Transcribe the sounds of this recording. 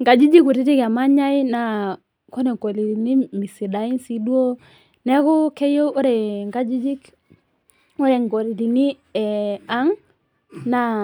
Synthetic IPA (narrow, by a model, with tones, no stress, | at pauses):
ŋɡa˨d͡ʒi˦d͡ʒi˦ku˨ɾi˦ti˦ka˨ma˦ɲa˦i˦na˨ | ko˦nɛ˨ko˨li˨ɾi˨ni˦mi˨si˨da˨i˦n˦si˦dwo˦ | nɛ˦kɔ˦kɛ˦jo˦ʔo˦ɾe˨ŋɡa˦d͡ʒi˦d͡ʒi˦k | o˦ɾe˨ŋɡo˨ɾi˨ɾi˨ni˦ | ɛ˨a˦ŋ | na˨